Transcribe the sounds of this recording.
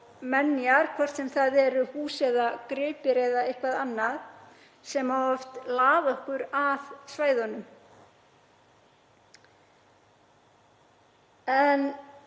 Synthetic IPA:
mɛnːjaɾ̥kʰvɔr̥t̪sɛmθaðɛɾʏhuːsɛðakɾɪːpɪɾeːjðaɪhkvaðanːað | sɛmaɔft̪laːvœhkʏɾaðsvaːjðɔnːʏm | ɛn

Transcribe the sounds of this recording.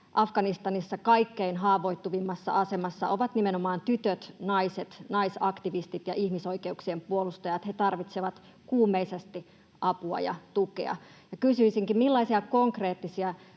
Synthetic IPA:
ʔɑfɡ̥ɑnist̪ɑnisːɑkɑikːeinɦɑːʋo̞it̪ːuʋimːɑsːɑ̰ʔɑsemɑsːɑ̰ʔoʋɑt̪nimenomɑːnt̪yt̪øt̪nɑiset̪nɑisɑkt̪iʋist̪it̪jɑʔihmisoikeuksiempuolust̪ɑjɑt̪het̪ɑrʋit̪seʋɑt̪ | kuːmːeisest̪i | ʔɑpuɑ̰jɑ̰t̪ukḛɑ̰ | jɑkysyisiŋkimmilːɑisiɑkoŋkreːt̪ːisiɑ

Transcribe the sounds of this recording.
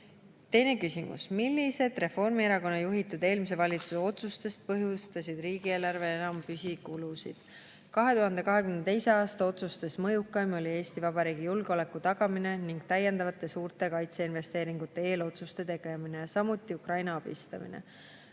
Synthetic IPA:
t̪e̞jne̞kysimṵsmilːise̞d̪̥re̞fo̞rmieɾɑko̞nːɑjuɦit̪ːˑud̪e̞ːlmis̬e̞vɑlʲit̪suse̞o̞t̪sust̪e̞st̪̚pɤɦjust̪ɑsid̪̥riːɡie̞ːlɑrve̞enɑmpysʲikulusḭd̪̥ | kɑɦe̞t̪uɦɑnd̪̥e̞kɑɦe̞kymenet̪e̞jseɑːst̪ɑo̞t̪sust̪esmɤjukːˑɑjmo̞lʲie̞ːst̪ivɑbɑɾiːɡ̥ijulɡ̥eo̞le̞kːˑut̪ɑɡ̥ɑmine̞niŋɡ̥t̪æjːe̞nd̪ɑvɑt̪ːˑe̞suːrt̪ˑe̞kɑjt̪se̞inve̞st̪e̞ːɾiŋɡ̥ut̪ːˑe̞e̞ːlo̞t̪sust̪e̞t̪e̞ɡ̥e̞mine̞jɑsɑmut̪ːˑiukrɑjnɑɑb̥ḭst̪ɑ̰mḭnḛ

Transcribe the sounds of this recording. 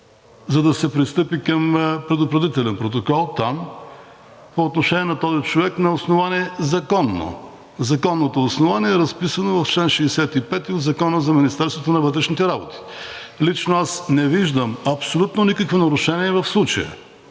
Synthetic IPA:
zɐd̪ɐsɛpɾist̪ɤpikɐmpɾɛd̪ʊpɾɐd̪it̪ɛlɛnpɾot̪̬okɔlˠt̪am | poːt̪noʃɛniɛnɐt̪ɔzit͡ʃovɛknɐosnovaniɛzɐkɔnːo̰ | zɐkɔnːot̪oːsnovaniɛɾɐspisənovɐft͡ʃlɛnʃɛːsɛt̪ipɛt̪iod̪zɐkɔnəzɐminist̪ɛɾst̪vot̪onɐvɤt̪ɾɛʃnit̪ɛɾabot̪i̥ | lit͡ʃnoasnɛviʒd̪əmɐpsolʲut̪nonikəkvonɐɾuʃɛniɛvɐfslˠut͡ʃəjə̰

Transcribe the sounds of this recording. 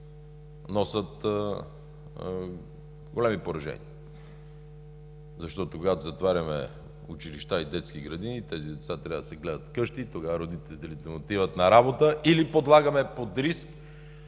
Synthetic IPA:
nɔsət̪ | ɡolɛmipoɾɐʒɛ̰nḭə | zɐʃt̪ɔt̪okoɡat̪ozɐt̪vaɾʲɐmɛ̰ | ut͡ʃiliʃt̪aid̪ɛt̪skiɡɾɐd̪init̪ɛzid̪ɛt̪sat̪ɾʲabd̪sɛɡlɛd̪ət̪kɤʃt̪it̪oɡavəɾod̪it̪ɛlit̪ɛlit̪ɛmot̪ivət̪nɐɾabot̪əʔilipod̪lˠaɡɐmɛpod̪ɾisk

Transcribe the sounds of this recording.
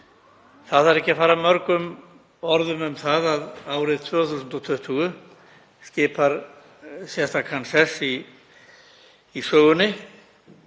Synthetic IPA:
θaðaɾɛhcːɪafaːɾamœɾkʏm | ɔɾðʏmʏmθaðaðaːwɾɪðt̪ʰvœːθuːsʏnt̪ɔt̪ʰʏht̪ʰuːɣʏ | scɪːpaɾ | sjɛst̪akʰansɛsi | sœːɣʏnːɪ

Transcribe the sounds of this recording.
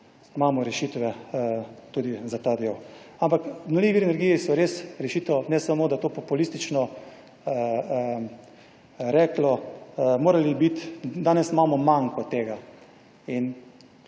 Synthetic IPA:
maːmɔɾɛʃiːt̪ʋɛ | t̪uːd̪izat̪ad̪ewampaknɔlʲiʋiɾɛnɛɾɡiːjisɔɾeːsɾɛʃit̪ɛwnɛsamoːd̪at̪oːpɔpulist̪it͡ʃnɔ | ɾɛklɔmoːɾalibit̪d̪aːnɛsimaːmɔmaŋkɔt̪eːɡa | in

